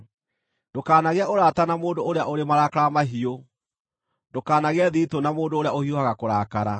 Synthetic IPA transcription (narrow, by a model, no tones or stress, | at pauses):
d̥okaːnaɣeaoɾatanamoːndoːɾeaʔoɾemaɾaːkaɾamaɦio | ndokaːnaɣeɛðiːtonamoːndoːɾejaohiohaɣakoɾaːkaɾa